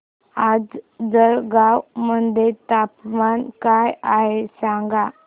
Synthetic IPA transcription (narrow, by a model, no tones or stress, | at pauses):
ad͡zd͡zəɭɡawmənd̪ʱet̪apmankajaɦesãŋɡa